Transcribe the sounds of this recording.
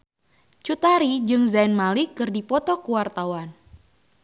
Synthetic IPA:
t͡ʃut̪aɾid͡ʒɨŋzainmalikɨrdipɔt̪ɔkuwart̪awan

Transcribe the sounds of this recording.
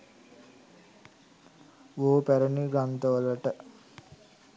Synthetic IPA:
ʋoːpæɾəniɡant̪əʋələʈə

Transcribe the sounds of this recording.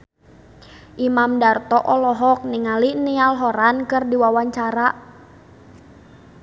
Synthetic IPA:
ʔimamdart̪ɔʔɔlɔɦɔk̚niŋalinialɦɔɾankɨrdiwawaɲt͡ʃaɾaʔ

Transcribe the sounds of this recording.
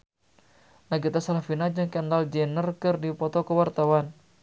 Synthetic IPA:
naɡit̪asalahfinad͡ʒɨŋkɛndald͡ʒɛnərkɨrdipɔt̪ɔkəwart̪awan

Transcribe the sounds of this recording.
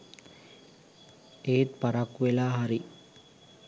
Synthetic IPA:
eːt̪paɾakːuʋelaːɦaɾi

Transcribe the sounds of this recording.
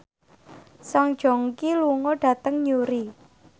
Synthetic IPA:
saŋd̥ʒ̥ɔ̤ŋkiluŋɔɖ̥ä̤t̪əŋɲuɾi

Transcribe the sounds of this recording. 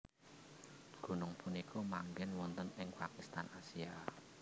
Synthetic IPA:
ɡ̥ṳnʊŋpunikʰumaŋɡɛnwɔnt̪ənɪŋpakist̪anasia

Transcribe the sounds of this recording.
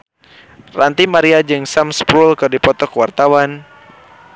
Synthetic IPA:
rant̪imaɾiad͡ʒɨŋsamspɾulkɨrdipɔt̪ɔkəwart̪awan

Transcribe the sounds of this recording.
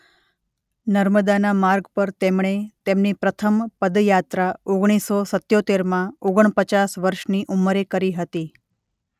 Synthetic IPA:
nəɾməd̪anamaɾɡpəɾt̪emɳ̃et̪emnipɾət̪ʰəmpəd̪jat̪ɾaoɡɽ̃isosət̪jot̪eɾmãoɡəɳ̃pət͡ʃasʋəɾʃniʔuməɾekəɾiɦət̪i

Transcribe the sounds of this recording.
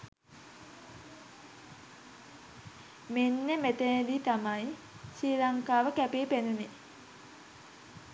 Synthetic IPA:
menːemet̪ened̪iːt̪amaj | siːlaŋkaːʋəkæpeːpenune

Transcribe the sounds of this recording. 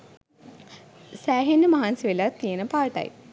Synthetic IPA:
sæːɦenːəmaɦansiʋelat̪ːijenəpaːʈɐ̰j

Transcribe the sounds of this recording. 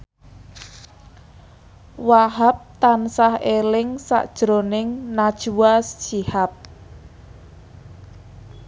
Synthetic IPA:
waɦap̚t̪ansahelɪŋsa̰ʔd̥ʒ̥ɾonɪŋnad̥ʒ̥uwast͡ʃihap̚

